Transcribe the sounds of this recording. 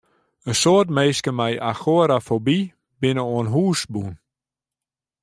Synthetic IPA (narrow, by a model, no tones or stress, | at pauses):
əsoətmeːskəmɛjʔaxoəɾafobi | bɪnəoənɦuːsbun